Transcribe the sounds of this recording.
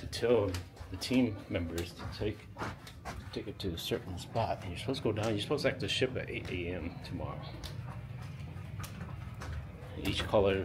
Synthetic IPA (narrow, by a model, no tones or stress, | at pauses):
tʰɨtʰɛlˠðɨtʰĩmːɛ̃mbə˞z̥tʰɨ̥tʰeɪk | tʰeɪkɨtʰɨːsɜ˞ʔn̩spɑɾ̚ɨ̃njə˞spʰoʊsɡ̥oʊdãʊ̃njəspʰoʊsæk̚tɨʃɪpɨ̰ɾḛɪɾʔeɪɛ̃mtʰəmɑ̰ɹo̰ʊ | it͡ʃkʰʌlˠə˞